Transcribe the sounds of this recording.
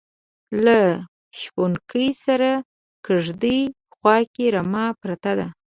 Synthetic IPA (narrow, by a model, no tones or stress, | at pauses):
la | ʃponkəjsaɾa | kəʐd̪əj | xwɑkeɾamɑpɾat̪ad̪a